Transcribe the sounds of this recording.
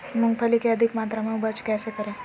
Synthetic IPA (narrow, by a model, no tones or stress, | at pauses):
mʊ̃ŋɡpʰəlikeɐd̪ʱikmaːt̪ɾamẽɦũbɐt͡ʃkɛːsekɐɾẽː